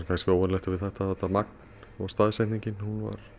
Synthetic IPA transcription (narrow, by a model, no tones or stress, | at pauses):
ɾkʰajnscɪoːwɛnlɛht̪avɪðθɛht̪aθɛht̪ːamak̚nnɔɣst̪aːðsɛjh̪niɲcɪnhunva̰ɾ̥